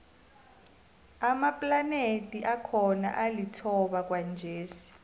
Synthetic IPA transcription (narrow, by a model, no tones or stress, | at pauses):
amapʼlanetʼiʔakʰɔna̰ʔalitʰɔɓak̬ʼwand͡ʒʱeːsi̥